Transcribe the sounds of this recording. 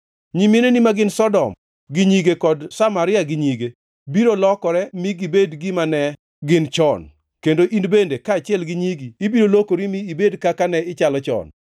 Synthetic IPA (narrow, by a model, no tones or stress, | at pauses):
ɲimenenimaɡɪnsɔdɔ̰m | ɡɪɲiɡekɔdsamaɾɪaɡɪɲiɡe | biɾolɔkɔɾɛmiɡɪbedɡɪmanɛ | ɡɪnt͡ʃɔn | kendoʔinbendekaːt͡ʃɪɛlɡɪɲiɡiːbiɾolokoɾimiːbedkakanɛɪt͡ʃalɔt͡ʃɔ̰n